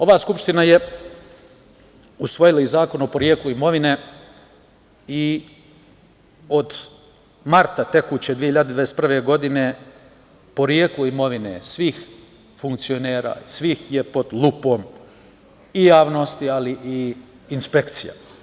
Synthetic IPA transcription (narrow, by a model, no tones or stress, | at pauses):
o̞ʋaːskupʃt̪inaje | usʋo̞jilaizaːko̞nopo̞ɾjeːkluimo̞ʋine | i | o̞d̪ | maɾt̪at̪e̞kuːt͡ɕed̪ʋiehiʎːad̪ed̪aest̪pr̩ʋe̞ɡo̞d̪ine̞ | po̞ɾjeːklˠoimo̞ʋinḛsʋix | fuŋkt̪sio̞ne̞ːɾa̰ːisʋixjepo̞d̪lˠupo̞ːm | ijaːʋno̞st̪ialiʔiː | nspe̞kt̪sija̰